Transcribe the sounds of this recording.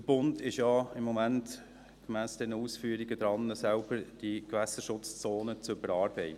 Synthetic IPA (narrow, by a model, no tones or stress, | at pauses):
dəb̥ʊndɪʃjɑɪmːɔmænt | ɡ̥mæːsd̥ɛnəuːsfyːəɾiɡəd̥̪ɾɑnːəsælb̥əɾd̥ikʋæsəʃʊt͡st͡soːnət͡sʊbəɾɑːɾb̥ɛɪ